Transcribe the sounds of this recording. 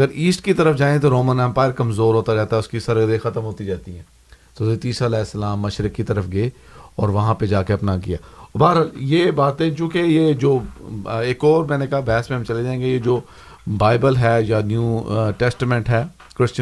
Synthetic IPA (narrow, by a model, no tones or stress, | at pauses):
ɐɡəɾiːsʈkit̪ɐɾəfd͡ʒaːẽt̪̬oɾoːmə̃nɛ̃ːmpaːjəɾkɐmzoːɾɦoːt̪aɾɛɦt̪aɛʊskisɐɾəɡd̪ẽxɐt̪əmɦoːt̪id͡ʒaːt̪iɦɛ̃ː | t̪ozet̪iːsalɛːsːəlaːmːɐʃɾɪkːit̪ɐɾəfɡeːɔːɾʋɐɦãped͡ʒaːkeɐpnakḭja̰ːbaːɾɦaːljeːbaːt̪ẽt͡ʃũːkejed͡ʒoːeːkɔːɾmɛ̃ːnekaɦabɛɦsmẽɦɐ̃mt͡ʃɐled͡ʒãːẽːŋɡejed͡ʒoː | baːɪbəlɦɛːjanjuːʈɛːsʈəmɛ̃ɳʈɦɛː | kɾɪst͡ʃə